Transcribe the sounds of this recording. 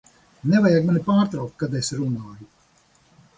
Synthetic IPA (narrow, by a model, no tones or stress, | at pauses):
nɛvajaɡmanʲipaːɾt̪ɾawk̚t̪̚kad̪esɾunaːju